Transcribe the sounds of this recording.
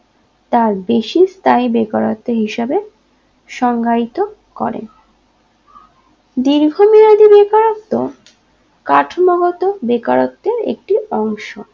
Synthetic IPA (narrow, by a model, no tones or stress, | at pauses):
t̪aɾbeʃist̪ʰajbekaɾot̪ːeɦiʃebe | ʃɔŋɡait̪o | kɔ̰ɾḛn | d̪iɾɡʱomiɾad̪ibekaɾot̪ːo | kaʈʰmoɡɔt̪obekaɾot̪ːeɾḛk̚ʈiɔŋʃo